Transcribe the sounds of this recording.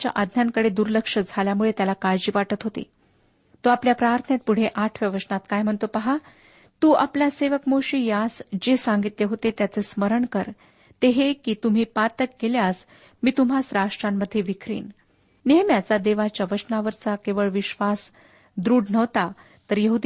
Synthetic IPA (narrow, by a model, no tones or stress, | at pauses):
t͡ɕja̰ʔəd̪ʱnjaŋkəɽed̪uɾləkʂəd͡zʱaljamuɭet̪jalakaɾd͡ʑiːʋaʈət̪ɦot̪ḭ | t̪oapljapɾaɾt̪ʰənet̪̚puɽ̤eʔaʈʰʋjəʋəsnat̪kajm̤əɳt̪opaɦa | t̪uːʔapljaseʋəkmoɕiːjasd͡ʑesaŋɡit̪leɦot̪et̪jat͡sesməɾəɳkəɾ | t̪eɦekiːt̪um̤iːpat̪əkɡeljas | miːt̪um̤asɾaʂʈɾamːəd̪ʱːjeʋikʰɾḭːn | neɦəmjat͡sad̪eʋat͡ɕjaʋəsnaʋəɾt͡sakeʋəɭʋiɕʋas | d̪ɾuːɽnəʋt̪a | t̪əɾjəɦud̪